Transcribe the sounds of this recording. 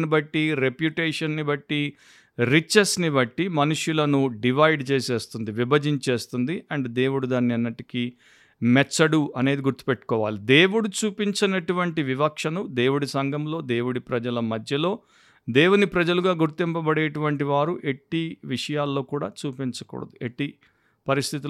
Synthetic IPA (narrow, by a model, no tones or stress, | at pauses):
ibɐʈːiɾe̞pjuʈeːʂɐnːibɐʈːi | ɾit͡ʃːɐsnibɐʈːimɐnuʂjulɐnuɖiʋɐjɖt͡ʃeːse̞ːst̪und̪iʋibɐd͡ʒiɲt͡ʃe̞ːst̪und̪iɐɳɖd̪e̞ːwuɽud̪aːnːiɐnːɐʈiki | mɛt͡ʃːɐɽuɐne̞ːd̪iɡuɾt̪i̥peʈːu̥kɔːʋa̰ːlid̪e̞ːwuɽut͡ʃuːpiɲt͡ʃɐnɐʈuʋɐɳʈiʋibɐkʂɐnud̪e̞ːwuɽisɐŋɡɐmlo̞ːd̪e̞ːwuɽipɾɐd͡ʒɐlɐmɐd̪ʱjɐlo̞ː | d̪e̞ːwunipɾɐd͡ʒɐluɡaːɡuɾt̪impɐbɐɽeːʈuʋɐɳʈiʋaːɾuʔe̞ʈːiʋiʂɐjaːlːo̞ːkuːɽa̰ːt͡ʃuːpiɲt͡ʃɐ̥kɔ̰ːɽɐ̰d̪ueʈːi | pɐɾist̪ʰit̪i